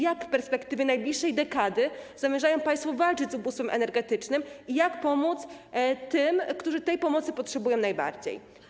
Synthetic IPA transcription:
jakfpɛɾspɛkt̪ɘvʲjɛnajblʲiʂːɛjd̪ɛkad̪ɘz̥amʲjɛʐajɔ̃w̃paj̃st̪fɔvalt͡ʂɘt͡ɕʲzubust̪fɛmʔɛ̰nɛɾɡɛt̪ɘt͡ʂnɘmijakpɔmut̪st̪ɘmkt̪uʐɘt̪ɛjpɔmɔt̪sɘpɔtʂɛbujɔ̃w̃najba̰ɾd͡ʑḛj

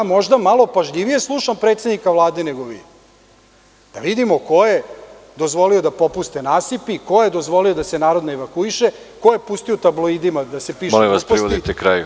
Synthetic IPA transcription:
jamo̞ʒd̪amalopaʒʎiʋije̞slˠuʃampɾet̪se̞d̪nikaʋlˠaːd̪e̞neɡoʋḭ | d̪̥aʋid̪imo̞ko̞je | d̪o̞zʋo̞liod̪apo̞pust̪e̞naːsipiko̞jed̪o̞zʋo̞lio̞d̪asenaːɾo̞d̪noeʋakuiʃe | kojepust̪iot̪ablˠoid̪imad̪asepiːʃoliʋaspɾisʋod̪it̪ekɾaju

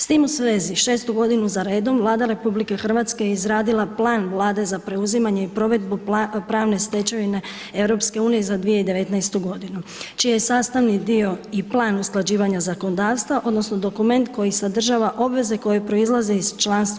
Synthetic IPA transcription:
st̪imusʋeːziʃe̞ːst̪uɡo̞d̪inuzaɾe̞ːd̪o̞mʋlˠaːd̪aɾe̞publike̞xr̩ʋat̪ske̞jeizɾaːd̪ilˠaplˠaːnʋlˠaːd̪e̞zapɾe̞uzimaɲe̞ipɾo̞ʋe̞d̪bupɾaːʋne̞st̪e̞t͡ɕaʋine̞ | e̞wɾo̞pske̞uːnije̞zad̪ʋije̞id̪e̞ʋe̞t̪najst̪uɡo̞d̪inut͡ʃijajesaːst̪aʋnid̪io̞iplˠaːnusklˠad͡ʑiːʋaɲazako̞nod̪aːʋst̪ʋaʔo̞d̪no̞sno̞d̪o̞kume̞nt̪ko̞jisad̪r̩ʒaːʋaʔo̞bʋe̞ze̞ko̞jepɾo̞izlˠazeiz̥t͡ʃlaːnst̪

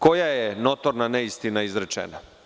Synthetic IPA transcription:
ko̞jajenot̪oɾnaneist̪inaizɾet͡ʃḛna

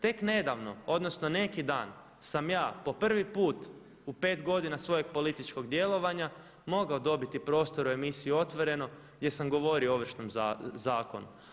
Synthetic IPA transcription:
t̪e̞kne̞d̪aʋno̞o̞d̪no̞sno̞ne̞kid̪aːn | samjaːpo̞pr̩ʋipuːt̪ | upe̞ːt̪ɡo̞d̪inasʋo̞jeɡ̚po̞lit̪it͡ʃko̞ɡd̪je̞lˠo̞ʋaɲa | mo̞ɡaod̪o̞bit̪ipɾo̞ːst̪o̞ɾue̞misijuo̞t̪ʋo̞ɾe̞no̞ | ɡd̪ʲje̞samɡo̞ʋo̞ɾiooʋr̩ʃnomazaːko̞̰nu

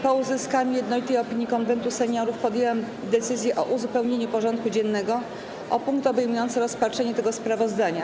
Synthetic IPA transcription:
pɔuzɘskaɲujɛd̪nɔlʲit̪ɛjɔpʲiɲjikɔnvɛnt̪usɛɲɔɾufpɔd̪jewɛm | d̪ɛt̪sɘzʲjɛʔɔʔuzupɛwɲeɲupɔʐɔnt̪̚kud͡ʑɛnːɛɡɔ | ʔɔpuŋkt̪ɔbɛjmujɔnt̪sɘɾɔspatʂɛɲɛt̪ɛɡɔspɾavɔzd̪aɲa

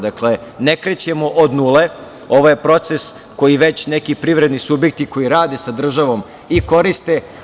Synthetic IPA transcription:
d̪akle̞ne̞kɾet͡ɕemoʔod̪nule̞ | o̞ʋojepɾo̞t̪ses | ko̞jiʋe̞t͡ɕne̞kipɾiʋɾed̪nisubjek̚t̪iko̞jiɾaːd̪e̞sad̪r̩ʒaʋo̞m | iko̞ɾist̪e̞

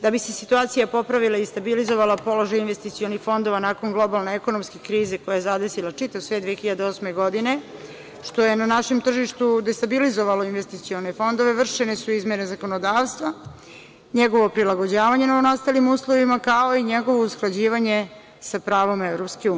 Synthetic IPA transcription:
d̪abise̞sit̪uaːt̪sijapo̞pɾaʋilˠaist̪abilizo̞ʋalˠapo̞lo̞ʒajinʋe̞st̪it̪sio̞nixfo̞nd̪o̞ʋanaːko̞nɡlˠo̞balˠneeko̞no̞mskekɾiːze̞kojajezad̪e̞silat͡ʂit̪aʋosʋed̪ʋiexçiʎad̪eo̞smeɡo̞d̪ine̞ | ʃt̪o̞je̞nanaʃe̞mt̪r̩ʒiʃt̪ud̪e̞st̪abilizo̞ʋalo̞inʋe̞st̪it̪sio̞ne̞fo̞nd̪oʋe̞ʋr̩ʃenesuizmjenezako̞nod̪aːʋst̪ʋa | ɲeɡo̞ʋo̞pɾilˠaɡod͡ʑaːʋaɲe̞naunast̪alimuːslˠo̞ʋimakao̞iɲeɡo̞ʋo̞usklˠad͡ʑiːʋaɲe̞ | sapɾaːʋomeʋɾo̞pske̞uː

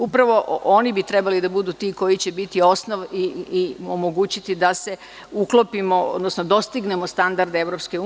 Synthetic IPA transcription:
upɾaʋo̞onibit̪ɾe̞balid̪abud̪uːt̪iko̞jit͡ɕe̞bit̪io̞snoʋiomo̞ɡuːt͡ɕit̪id̪ase̞ | uklopimo̞od̪nosnod̪o̞st̪iɡne̞mo̞st̪and̪aɾd̪eʋɾo̞pske̞u

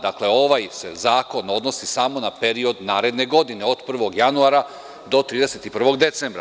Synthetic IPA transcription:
d̪akle̞o̞ʋajse̞̰zaːko̞no̞d̪no̞sisamo̞nape̞ɾio̞d̪naːɾe̞d̪neɡo̞d̪ine̞o̞d̪pr̩ʋo̞ɡjanuaɾa | d̪o̞t̪ɾiːd̪e̞se̞t̪ipr̩ʋo̞ɡd̪e̞t̪sembɾa̰

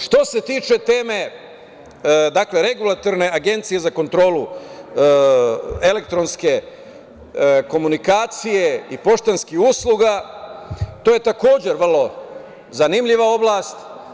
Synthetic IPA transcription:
ʃt̪o̞se̞t̪iːt͡ʃe̞t̪eːme̞ | d̪akle̞ɾe̞ɡulˠat̪oɾne̞ʔaɡe̞nt̪sije̞zako̞nt̪ɾo̞ːlu | e̞le̞k̚t̪ɾo̞nske̞ | ko̞munikaːt̪sije̞ipo̞ʃt̪anskihuːslˠuɡa | t̪o̞ːje̞t̪ako̞ːd͡ʑe̞ɾʋrlo̞ | zanimʎiʋao̞blˠast̪

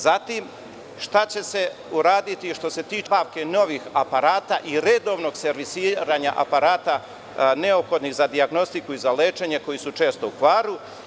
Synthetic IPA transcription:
zat̪im | ʃt̪at͡ɕe̞se̞uɾaːd̪it̪iʃt̪o̞se̞t̪iːbaʋke̞no̞ʋixapaɾaːt̪aʔiɾed̪o̞ʋno̞ɡse̞ɾʋisiːɾaɲa̰ʔa̰paɾaːt̪a | neopxo̞d̪niɣzad̪iaɡno̞st̪ikuizaleːt͡ʃe̞ɲe̞ko̞jisut͡ʃe̞ːst̪o̞ukʋaːɾu

